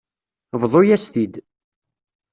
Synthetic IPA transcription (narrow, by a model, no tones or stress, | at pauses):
vðˤojæst̪id̪